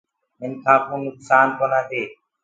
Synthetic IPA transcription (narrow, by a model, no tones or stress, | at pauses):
mɪnkʰãːkũːnʊksaːnkoːnaːt̪eː